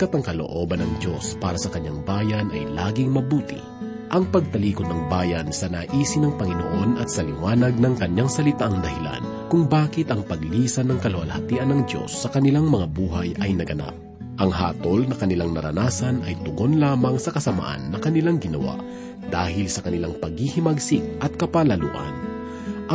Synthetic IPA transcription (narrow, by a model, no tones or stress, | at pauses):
kɐt̪ɐŋkɐlo̰ʔo̞ːbɐnːɐŋd̪o̞spaːɾɐsɐkɐɲːaŋbaːjɐnʔɐ̰jlaːɡɪŋmɐbuːt̪ɪ̰ | ʔɐŋpɐɡ̚t̪ɐliːkod̪nɐŋbaːjɐnsɐnaːʔiːsɪnɐŋpɐŋɪno̰ʔo̞nɐt̪̚sɐlɪwaːnɐɡ̚nɐŋkɐɲːaŋsɐlɪt̪aʔɐŋd̪ɐhɪla̰n | kʊŋbaːkɪt̪ɐŋpɐɡliːsɐnːɐŋkɐlowɐlhɐt̪iːʔɐnːɐŋd̪jo̞̰sːɐkɐnɪlaŋmɐŋabuːɦɐjʔɐjnɐɡɐna̰p̚ | ʔɐŋha̰ːt̪o̞lnɐkɐnɪlaŋnɐ̰ɾɐ̰naːsɐnɐjt̪ʊɡo̞nlaːmɐŋsɐkɐsɐma̰ʔa̰nːɐkɐnɪlaŋɡɪnɐ̰wa̰ʔ | d̪̥aːɦɪlsɐkɐnɪlaŋpɐɡ̚hihɪmɐɡsɪŋ̚ʔɐt̪̚kɐpalɐlṵːʔɐ̰n | ʔ